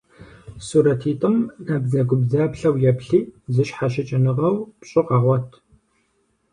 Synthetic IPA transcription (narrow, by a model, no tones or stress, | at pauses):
suːɾɐtʰiːtʼɨmnɐbzɐɡʷʊbzaːpɬɐwjɛpɬiːzɨɕħaʃɪt͡ʃʼɪnɨʁɐwpɕʼɪqɐʁʷɔtʰ